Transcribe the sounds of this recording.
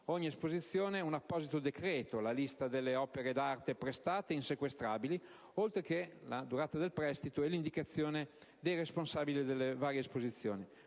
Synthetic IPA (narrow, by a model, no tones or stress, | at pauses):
oɲːiespozit̪sːjoːneɛunapːɔzit̪od̪ekɾeːt̪olalist̪ad̪elːeɔːpeɾed̪aɾt̪epɾest̪aːt̪einsekwest̪ɾaːbili | olt̪ɾekelad̪uɾaːt̪ad̪elpɾɛst̪it̪oɛlind̪ikat̪sːjoːned̪ejresponsaːbilid̪elːevaːɾjeːspozit̪sːjo̰ːni